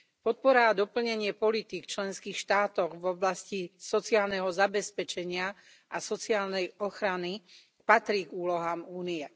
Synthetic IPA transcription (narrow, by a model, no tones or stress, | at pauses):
pɔt̪̚pɔɾad̪ɔpl̩ɲɛɲɪɛpɔlit̪ikt͡ʃlɛnskiːxʃt̪aːt̪ɔɣvɔblascisɔt͡siaːlnɛɦɔzabɛspɛt͡ʃɛɲɪa | ʔasɔt͡siaːlnɛjɔxɾani | pat̪ɾiːɡuːlɔɦaːmuːniɛ